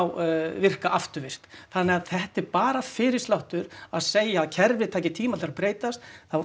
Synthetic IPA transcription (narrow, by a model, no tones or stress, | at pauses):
wvɪr̥kaʔaft̪ʏɾvɪr̥t̪θanːɛɣaðθɛht̪ɛɾpaːɾafɪɾɪ̥st̪lawht̪ʏɾaðseːjaːðcʰɛɾvɪ̥t̪ʰaːjcɪt̪ʰiːmaɪɾapɾeːjt̪ast̪θaw